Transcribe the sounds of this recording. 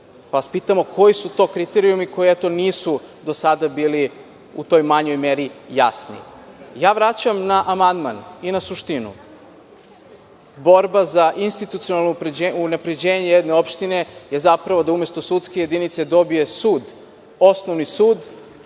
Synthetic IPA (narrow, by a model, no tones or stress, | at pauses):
paaspiːt̪amo̞ko̞jisut̪o̞ːkɾit̪eɾiumiko̞jiɛt̪o̞niːsud̪o̞sad̪abiːli | ut̪o̞jmaɲo̞jmeɾijasnḭjaːʋɾat͡ɕamnaʔamand̪ma̰ninasuʃt̪inṵ | bo̞ɾbazaʔinst̪it̪ut̪sijonalnupɾed͡ʑunapɾe̞d͡ʑe̞ːɲejed̪ne̞o̞pʃt̪ine̞je̞zapɾaʋo̞d̪aumjest̪o̞sut̪skeje̞d̪init̪se̞d̪o̞bije̞suːd̪ | o̞snoʋnisuːd̪